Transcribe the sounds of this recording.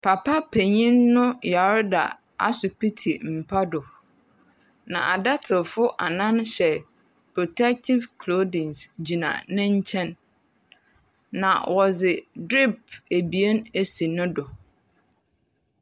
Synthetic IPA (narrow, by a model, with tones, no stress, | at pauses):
pʰa˨pʰa˦pʰe˨ɲĩ˦nːʊ̃˦ja˨ɾda̰˨ | a˦sʊ˨pʰi˦tʰi˨m̩˨pʰa˦dʊ˨ | nã̰˨ʔa˨da˦tʰɪ˨fʊ˦ʔa̰˨nã˦n˦ɕɛ˨ | pʰɾo˨tʰɛ˦k̚tʰɪ˦vkʰlo˦dɪ̃˨nsd͡ʑi˨nã̰˨nɪ̃˦ɲ̩˦t͡ɕʰɛ̃˦n | ã̰˨wɔ˨zɪ˨dɾi˦p̚e˨bi˨e˦ne˨si˨nʊ̃˦dɔ˨